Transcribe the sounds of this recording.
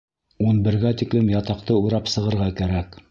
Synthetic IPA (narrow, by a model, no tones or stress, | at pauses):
unbɘ̆ɾɡæt̪iklɘmjɑt̪ɑqt̪ɤujɾɑpsɤ̆ʁɤ̆ɾʁɑkæɾæk